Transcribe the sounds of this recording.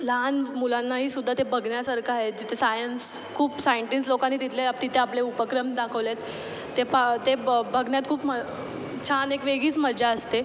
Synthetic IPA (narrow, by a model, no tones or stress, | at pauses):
lanmulanːaɦiːsud̪ʱːat̪ebʱəɡnjasəɾkʰaɦed͡ʑit̪esajəns | kʰuːpsajɳʈinslokãnːiːt̪it̪ʰleat̪it̪ʰeapleupəkɾəmd̪akʰəʋlet̪ː | epat̪ebəɡnjat̪kʰuːpmə | t͡ɕʰanekʋeɡiːt͡sməɾd͡ʑaəst̪e